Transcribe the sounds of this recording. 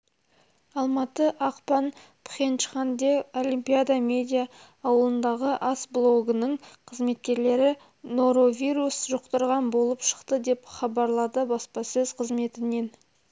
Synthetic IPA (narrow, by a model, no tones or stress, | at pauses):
ɑlˠmɑt̪əʔɑqpɑn | pχent͡ʃχand̪eo̞limpʲijad̪amʲe̞d̪ʲijaː | wəlˠənd̪ɑʁəʔɑsblˠo̞ɡənəɴqʰəzme̞t̪̚kʲe̞ɾle̞ɾɪ | noɾo̞vʲijɾusʒoqt̪əɾʁɑnbo̞lˠəpʃə̥qt̪əd̪e̞pχɑbɑɾlˠɑd̪əbɑspɑsɵzqʰəzme̞t̪ɪne̞n